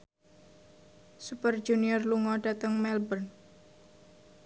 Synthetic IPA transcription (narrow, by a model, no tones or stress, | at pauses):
supərd͡ʒuniɔrluŋɔɖat̪əŋmɛlbərn